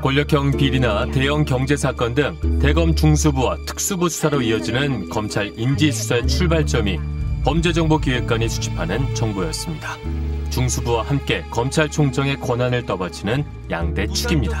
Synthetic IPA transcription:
kwʌʎːʌkʰjʌŋpiɾinate̞jʌŋkjʌŋd͡ʑe̞sʰak͈ʌndɯŋte̞ɡʌmt͡ɕuŋsʰubuwatʰɯ̥k̚s͈ubusʰu̥sʰaɾoiʌd͡ʑinɯnkʌmt͡ɕʰaɾind͡ʑisʰu̥sʰaet͡ɕʰuɭbaɭt͡ɕ͈ʌmipʌmd͡ʑe̞d͡ʑʌŋbokiwek̚k͈aɲisʰu̥t͡ɕʰi̥pʰanɯnt͡ɕʌŋbojʌs͈ɯmɲidḁt͡ɕuŋsʰubuwahamk͈e̞kʌmt͡ɕʰaɭt͡ɕʰoŋt͡ɕʰʌŋe̞kwʌnɦanɯɭt͈ʌbʌd͡ʑt͡ɕʰinɯn | jaŋde̞t͡ɕʰuɡimɲida

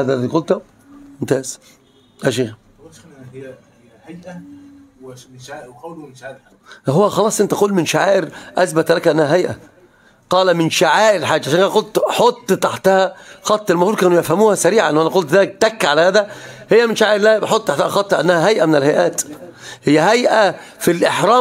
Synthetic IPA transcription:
hæːd̪ælːæðiːqolt̪u | ent̪æːz̥ | ʔæʃ̬iːx | ɦowːæxɑlɑːsˤʔent̪æʔquːlmɪnʃaʕaːʔeɾʔæsbæt̪lækʔænːæhæɦæjʔæ̰ | qɑːlæmɪnʃaʕaːʔɪɾħaːd͡ʒːʕʃænʔænæqolt̪ħot̪ˤːt̪aħt̪æhæxɑt̪ˤːelmahuːɾkæːnujæfhæmuːhæsæɾiːʕanʔːwʔænæqolt̪d̪æːk̚t̪ækːʕalæhæːd̪æhejːæmɪnʃaʕaːʔeɾlæːbeħot̪ˤːt̪aħt̪æhæxɑt̪ˤːhæʔænːæhæɦæjʔæmɪnɪlhæjʔæːt̪hɪjːæɦæjʔæ | filʔeħɾˤɑː

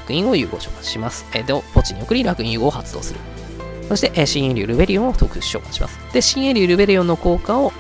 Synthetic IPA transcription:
kɯ̟ĩɰ̃o̞jɯ̟ːɡo̞ːɕo̞ːkḁt͡si̥ɕimasɨ̥ed̪opo̞t͡ɕiɲ̟io̞kɯ̟ɾ̟ʲiɾakɯ̟ĩjɯ̟ːɡo̞ːhat͡sɨ̥d̪o̞̰ːsɨɾɯ̟̰ | so̞ɕi̥t̪e̞ʔeɕĩẽɾʲɨɾɯ̟be̞ɾʲijõ̞ɰ̃ot̪okɯ̟ɕɕo̞̰ːkḁt͡ɕi̥ɕḭma̰sɨ̥d̪̥e̞ɕĩɰ̃eɾʲɨːɾɯ̟be̞ɾʲijõ̞nːo̞ko̞ːkao̞

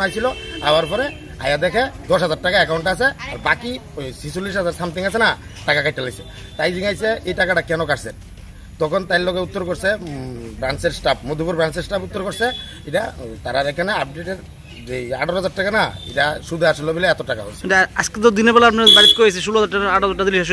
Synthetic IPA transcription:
ajsʰilɔa̰waɾpɔɾe | a̰jad̪ɛkʰed̪ɔsɦad͡zaɾʈakaɛkawɳʈas̬ea̰ɾbaki | sisulis̬ɦad͡zaɾsamt̪iŋasʰenaʈakakajʈʰːalajsʰe | t̪ajd͡ʑiŋajsʰeejʈakaʈakɛnɔkaɾse | t̪ɔkʰɔnt̪ajllɔkeut̪ːɔɾkɔɾsebɾanseɾsʈap̚mod̪ʱupuɾbɾanseɾsʈaput̪ːɔɾkɔɾse | iʈat̪aɾad̪ɛkʰɛnaap̚ɖeʈeɾ | ea̰ɖɔɾɦazaɾʈːakanaḭʈaʃud̪ʱaɾsulobilaɛt̪ɔʈaka̰ɦo̰sʰa̰sket̪ɔd̪inebɛlaapnabaɾit̪̚kojas̬eʃuluad͡zaɾʈaaɽɦazaʈad̪ilːiʃaʃ̬

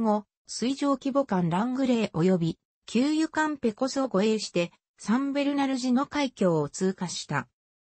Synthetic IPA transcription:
ŋo̞ | sɨiʑo̞ːkʲibo̞kãnɾãŋɡɯ̟ɾe̞ːʔo̞jo̞bʲi | kʲʰɨːjɯ̟kãmpe̞ko̞soɡo̞e̞ːɕi̥t̪e̞ | sãmbe̞ɾɯ̟naɾɯ̟ʑino̞kaikʲo̞ːot͡sɨːkaɕi̥t̪a̰

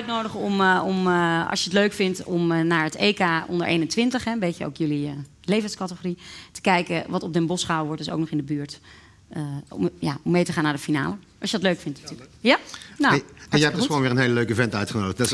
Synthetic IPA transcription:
at̚nowdəχɔmɔmɑ̰lˠsjəətløɥkfɪntɔmnaːɹətejkaːɔ̰ndəɹʔḛjnəntʋɪntəχɦɛmbejcəo̰wkjɵliə | lejvənskɑtəχoritə̥kɛjkəʋɑtɔb̚dənbɔsχəɦawəʋɔɹtdəso̰wknɔχɪndəbyːɹt | jaɔmːejtəχaːnːaːdəfina̰ːləʔɑlˠsjədɑtløɥkfɪntnatyːləkjanoɛjəɛp̚dsχʋoːnʋɪːrənɦejləløɥkəvɛntœɥtχənowdəd

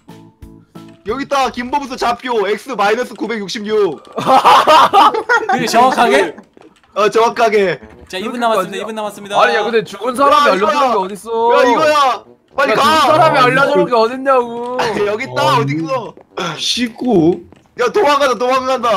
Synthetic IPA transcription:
jʌɡit͈akimbobutʰʌt͡ɕapʰjoek̚s͈ɯmainʌs͈ʰɯkube̞k̚juk̚ɕ͈ʰibmɲuk̚ | t͡ɕʌakʰːaɡe | at͡ɕʌwak͈ʰaɡe̞ | aas͈aɲiakɯndet͡ɕuɡɯns̬ʰaɾamiaːaaɡiʌdis͈ojaiɡʌja | maʎːikasʰaɾamiaʎːʌdʌɡeʌdinaɡujʌɡit͈aʌdikʰesʰʌɕʰik͈u | jatomaŋandat̬omaɡaŋanda

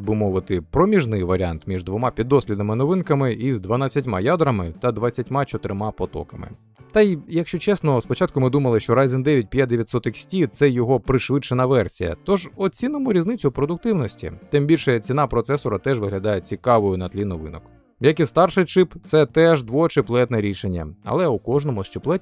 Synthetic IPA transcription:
bʊmɔʋɪt̪ɪpɾɔmʲiʒnɪjʋɐɾʲia̰nt̪mʲiʒd̪ʋɔmɑpʲid̪ːɔsʲlʲid̪ɐmɪnɔʋɪnkɐmɪizd̪ʋɐnat͡sʲːɐtʲmɑ̰jad̪ɾɐmɪt̪ɐd̪ʋat͡sʲːɐtʲmat͡ʃɔt̪ɪɾɪmapɔt̪ɔ̰kɐmɪ̰ | t̪ɐijɐkʃt͡ʃɔt͡ʃɛsnɔspɔt͡ʃat̪̚kʊmɪd̪umɐlˠɪʃt͡ʃɔɾazʲɪnd̪ɛʋʲjɐt̚ʲpʲjat̚ʲd̪eʋʲjɐt̪ʲsɔt̪ɪksʲtʲit̪sɛjɔɦɔpɾɪʃʋɪt͡ʃːenɐʋɛrsʲḭjɐ̰t̪ɔʒɔt͡sʲinɔmʊɾʲiznɪt͡sʲʊpɾɔd̪ʊk̚t̪ɪwnɔsʲtʲḭt̪ɪmbʲilʲʃɛt͡sʲinɑpɾɔt̪sɛsɔɾɐt̪ɛʒʋɪɦlʲɐd̪ɑjɛt͡sʲikɑʋɔjʊnɐt̪lʲinɔʋɪ̰nɔk | jɐkist̪ɑrʃɪjt͡ʃɪpt̪sɛt̪ɛʒd̪ʋɔt͡ʃɪplˠɛt̪nɛɾʲiʃenʲːɐ̰ɐ̰lˠɛukɔʒnɔmʊst͡ʃɪplˠɛtʲ

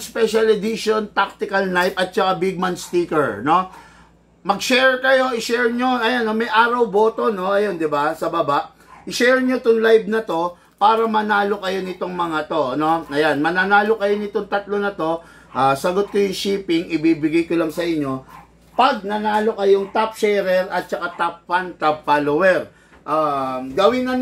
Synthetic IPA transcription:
spɛʃɐlɛd̪iʃont̪ak̚t̪ɪkɐlnajpɐt̪̚t͡ʃɐkabɪɡ̚mɐnst̪iːkɛɹno̞ | mɐɡ̚ʃɛɹkɐjo̞ʔɪʃɛɹɲoʔɐjanːomɐjʔaːɾɐwbo̞ːt̪o̞no̞ʔɐjo̞nd̪ɪbasɐbabaʔ | ʔɪʃɛɹɲoɪt̪oŋlajb̚nɐt̪o̞ | paːɾɐmɐnaːlo̞kɐjo̞nɪt̪o̞ŋmɐŋat̪o̞ɐno̞ʔɐjanmɐnanaːlo̞kɐjonɪt̪o̞ŋt̪ɐt̪lo̞nɐt̪o̞ | ʔasɐɡot̪̚kojʊŋʃiːpɪŋʔɪbiːbɪɡajkolɐŋsɐʔɪɲːo̞ | pɐɡ̚nɐnaːlo̞kɐjoŋt̪ap̚ʃɛɾɛɾʔɐt̪̚t͡ʃɐkat̪ap̚fɐnt̪ap̚falowɛɾ | ʔaːɡɐwɪnɐn

